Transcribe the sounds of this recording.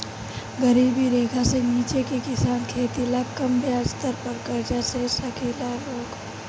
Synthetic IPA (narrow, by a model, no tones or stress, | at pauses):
ɡɐɾiːbiɾeːɡʱaseniːt͡ʃekekɪsaːnkʰeːt̪ilakɐmbjaːst̪əɾpəɾkɐɾd͡ʒasesɐkʰiːlaloːɡ